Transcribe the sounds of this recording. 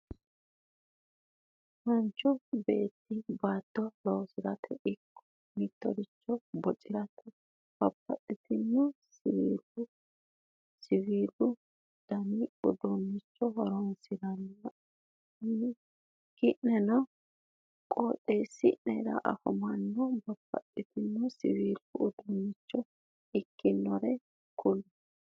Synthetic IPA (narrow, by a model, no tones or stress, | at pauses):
mɐnt͡ʃːɔbe̞̰ːt̪ːɪbaːt̪ːɔloːsɪɾɐt̪ʰɛʔɪkːɔ̥ | mɪt̪ːɔ̰d̪ɪt͡ʃːɔbɔt͡ʃʼɪɾɐt̪ʰɛ | bɐpːɐt̪ʼːɪt̪ɪnːɛsɪwiːlʊ | sɪwiːlʊ | d̪̥ɐniʊd̪ɔnːɪt͡ʃːɔɦɔɾɔnsɪdɐnː | kɪʔɛnɔ | kʼoːtʼːesɪʔnɛɾɐ̰ʔɐ̰hʊ̰mɐnːɔbɐpːɐ̰tːɪt̪ɪnːɔsɪ̰wiːlːʊːd̪ɔnːɪt͡ʃːɔ | ɪkʰːɪnːɔɾɛ | kʰʊlːʊ